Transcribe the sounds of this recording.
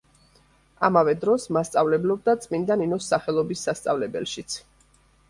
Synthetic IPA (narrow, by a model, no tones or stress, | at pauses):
amavɛd̪ɾɔsmast̪sʼavlɛblɔb̚d̪at̪sʼmind̪aninɔsːaχɛlˠɔbisːast̪sʼavlɛbɛ̰lʃit̪sʰ